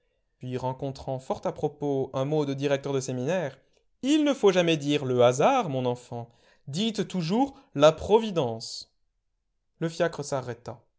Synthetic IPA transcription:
pɥiʁɑ̃kɔ̃t̪χɑ̃fɔʁt̪apχɔpoɛ̃mod̪əd̪iʁɛk̚t̪œʁd̪əseminɛʁ | ilnəfoʒamɛd̪iʁləazaʁmɔ̃nɑ̃fɑ̃ | d̪it̪ːuʒuʁ | lapχɔvid̪ɑ̃s | ləfjakχəsaʁɛt̪a

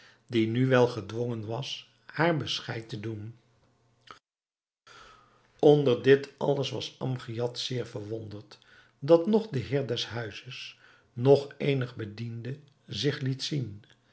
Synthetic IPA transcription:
dinyʋɛlˠχədʋɔŋənʋɑs | haːɹbəsχɛjtədun | ɔndəɹdɪtʰɑ̰ləsʋɑsɑmχijɑtsɪːɹvəɹʋɔndəɹt | dɑtnɔχdəɦɪːɹdɛsɦœɥzəs | nɔχejnəχbədində | zɪχlitsin

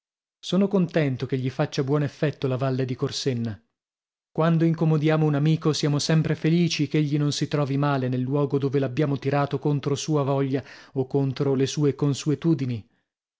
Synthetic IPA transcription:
soːnokont̪ɛnt̪okeʎːifat͡ʃːabwɔːnefːɛt̪ːolavalːed̪ikorsenːa | kwand̪oiŋkomod̪jaːmounamiːkosjaːmosɛmpɾefeliːt͡ʃikeʎːinonsit̪ɾɔːvimaːlenelːwɔːɡod̪oːvelabjaːmot̪iɾaːt̪okont̪ɾosuːavɔʎːaokːont̪ɾolesuːekonsuet̪uːd̪ini

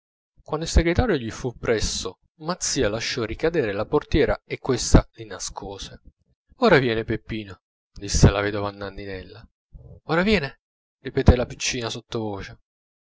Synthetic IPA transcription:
kwand̪ilseɡɾet̪aːɾjoʎifupːɾɛsːo | mat̪sːiːalaʃːɔrikad̪eːɾelaport̪jɛːɾaekːwest̪alinaskʰoːse | oːɾavjɛːnepepːiːno | d̪isːelavɛːd̪ovanːand̪inɛlːa | oːɾavjɛːne | ripet̪ɛlapi̥t͡ʃːiːnasot̪ːovoːt͡ʃe

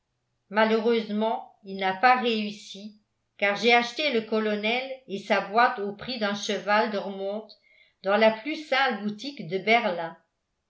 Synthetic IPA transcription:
maløʁøzmɑ̃ilnapaʁeysi | kaʁʒeaʃt̪eləkɔlɔnɛlesabwat̪opχid̪œ̃ʃəvald̪əʁəmɔ̃t̪ | d̪ɑ̃laplysɛ̃lbut̪ikd̪əbɛʁlɛ̃

